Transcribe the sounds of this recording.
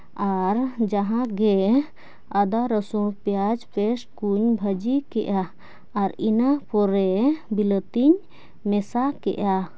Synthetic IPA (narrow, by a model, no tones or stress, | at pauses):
aɾd͡ʒaɦãɡɛ | ad̪aɾəsũpjad͡ʒpɛsʈ̚kuɲbʱəd͡ʒikɛʔjaː | ɾinapɔɾɛbilət̪iɲ | mɛsakɛ̰ʔa